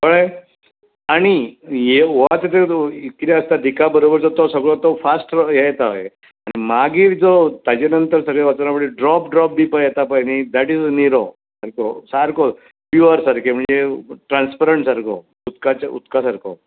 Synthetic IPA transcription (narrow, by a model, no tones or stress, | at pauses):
pəɭə | aɽ̃ijeoʋat̪at̪eikɾaəst̪ad̪ikabəɾobəɾt͡sɔt̪ɔsəɡɭɔt̪ɔfasʈjejt̪ae | aɽ̃imaɡiːɾd͡zɔt̪ad͡ʑenənt̪əɾsəɡɭeʋat͡səɾnapəɽʈeɖɾɔpɖɾɔp̚d̪ipajɛt̪apajnid̪æʈizniɾo | saɾkosaɾko | fjuəɾsaɾkʰem̤əɳd͡zeʈɾãnspəɾəɳʈsaɾkʰo̰ | ut̪kat͡ɕaṵt̪kasaɾkʰo